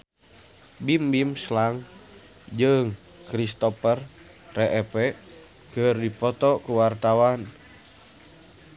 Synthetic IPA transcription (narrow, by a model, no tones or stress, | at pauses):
bimbimslaŋ | d͡ʒɨŋ | kɾist̪ɔpər | rɛʔɛpɛ | kɨrdipɔt̪ɔkuwart̪awan